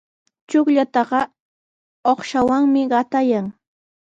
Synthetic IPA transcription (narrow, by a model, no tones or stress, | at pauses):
t͡ʃʊkʎat̪ɑɢɑ | oχʃawaŋmɪɢɑt̪ajaŋ